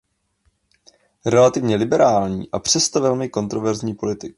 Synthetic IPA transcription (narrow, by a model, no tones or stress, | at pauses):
ɾɛlat̪ɪvɲɛlɪbɛɾaːlɲḭːʔapr̝̥ɛst̪ovɛlmɪko̞nt̪ɾovɛɾzɲiːpo̞lɪt̪ɪk